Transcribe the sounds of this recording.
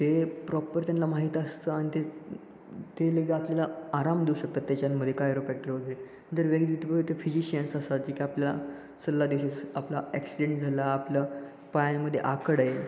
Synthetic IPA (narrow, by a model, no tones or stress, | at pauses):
t̪epɾɔpəɾt̪janlamaɦiːt̪əst̪əːaɽ̃it̪e | t̪eləɡeapljalaaɾamd̪euɕək̚t̪at̪ːjat͡ɕanməd̪ʱːjekaɾofæk̚ʈəɾʋəɡ̪le | ənt̪əɾʋeɡd̪ʋit̪pəɾət̪efid͡ʑiɕiənsəsat̪̚d͡ʑikiapljala̰ | səlːad̪iwɕesaplaæksiɖẽɳʈd͡zʱalaːpla | pajnməd̪ʱːjeʔakəɽaje